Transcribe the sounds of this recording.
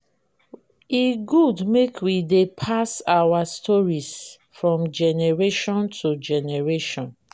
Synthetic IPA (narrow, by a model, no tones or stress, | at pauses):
iɡudmekʰwidepʰasawastʰɔɹis | fɹɔ̃md͡ʒɛnɛɹeʃɔ̃ntʰud͡ʒɛnɛɹeʃɔ̃n